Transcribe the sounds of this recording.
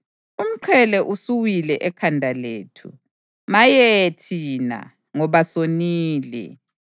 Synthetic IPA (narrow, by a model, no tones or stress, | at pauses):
um̩ǃʰɛlɛʔusuwilɛʔɛkʰandʱaleːtʰṵ | majɛtʰina̰ | ŋɔβasoniːlɛ̰